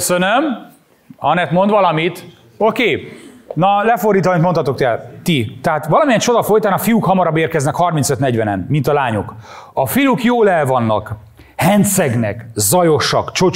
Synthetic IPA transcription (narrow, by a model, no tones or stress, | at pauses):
sønøm | ɒnɛt̪mo̞nd̪ʋɒlɒmit̪ | o̞keːnɒlɛford̪iːt̪ɒmint̪moɒt̪o̞kt̪ɛlt̪it̪ɛɦaːt̪ʋɒlɒmijɛnt͡ʃo̞d̪ɒfo̞jt̪aːnɒfijukhɒmɒɾɒbeːrkɛznɛkhɒrminsøt̪nɛɟʋɛnɛnːint̪ɒlaːɲokɒfijukjoːlɛlvɒnːɒ̰k | hɛnt̪sɛɡnɛ̰kzɒjo̞ʃɒkt͡ʃo̞